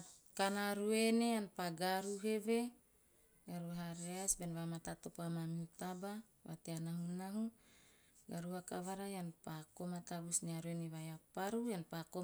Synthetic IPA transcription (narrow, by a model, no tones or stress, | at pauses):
kanaɾuenejanpaɡaɾuɦewe | ɡaɾuɦaɾeasbɛnwamat̪at̪opamamiut̪aba | wa̰t̪eanaɦunaɦu | ɡaɾuakawaɾajanpakomat̪abusniaɾuenewajapaɾujanpako